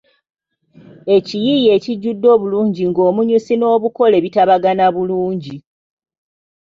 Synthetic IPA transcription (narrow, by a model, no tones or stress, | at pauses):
e̞cijije̞ːciɟːudːo̞ːβuluːɲɟiŋɡo̞ːmuɲusino̞ːβuko̞le̞βitaβaɡanaβuluːɲɟi